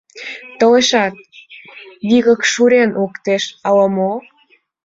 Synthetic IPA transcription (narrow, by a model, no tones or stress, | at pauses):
t̪ə̆leʃɑt̪̚ | βiɣə̆kʃuɾenʔukt̪eʃɑləmo